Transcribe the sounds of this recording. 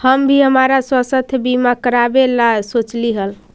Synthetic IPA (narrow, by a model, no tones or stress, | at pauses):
həmbʱiɦəmaɾaswəsət̪ʰbimakəɾabelasot͡ʃliɦəl